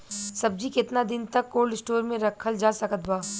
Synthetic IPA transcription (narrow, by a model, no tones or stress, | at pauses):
sɐb̚d͡ʒikɪt̪nad̪ɪnt̪ɐkːoːlɖɪsʈoːɾmẽɾɐkʰəld͡ʒaːsɐkət̪baː